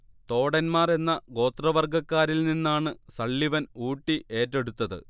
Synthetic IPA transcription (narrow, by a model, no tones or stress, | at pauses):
t̪o̞ːɽɐnmaːre̞nːɐɡo̞ːt̪rɐʋɐrɡɐkːaːɾilninːaːɳɨsɐɭːiʋɐnuːʈːiʔe̞ːtːeɽut̪ːɐðɨ̰